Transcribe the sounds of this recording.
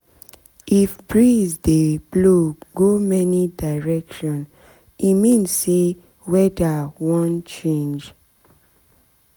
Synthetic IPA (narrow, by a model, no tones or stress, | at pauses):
ifbɹizdebloɡomɛnidaɪɹɛkʃɔ̃n | imĩnse | wɛdawɔ̃nt͡ʃẽnd͡ʒ